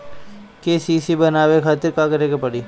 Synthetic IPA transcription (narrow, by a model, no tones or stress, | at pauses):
keːsiːsibɐnaːʋekʰaːt̪ɪɾkaːkɐɾẽːɡepɐɽiː